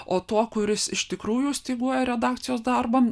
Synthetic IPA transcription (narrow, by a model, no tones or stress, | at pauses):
oːt̪uɔkʊɾʲɪsɪʃt̪ʲɪkɾuːjuːsʲt̪ʲiːɡuɔjɛɾʲɛd̪ɑːkt̪sʲɪjoːsd̪ɑrbɐm